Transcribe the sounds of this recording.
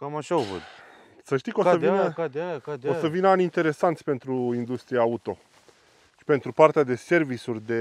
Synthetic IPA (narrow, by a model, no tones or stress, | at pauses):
kamaʃaovɨ̰d̪ | səʃt̪iko̞səvinə | osəvinəanʲint̪e̞ɾe̞sant̪sʲpe̞nt̪ɾuind̪ust̪ɾiaut̪o̞ | ʃi̥pe̞nt̪ɾupart̪ead̪e̞se̞rvisurʲd̪e̞